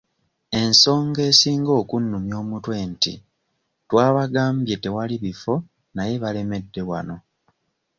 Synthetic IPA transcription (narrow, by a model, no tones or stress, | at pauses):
e̞nso̞ːŋɡe̞ːsiːŋɡo̞ːkunːumjo̞ːmutwe̞ntḭ | twaːβaɡaːmbje̞te̞waliβifo̞ | naje̞βale̞me̞dːe̞wano̞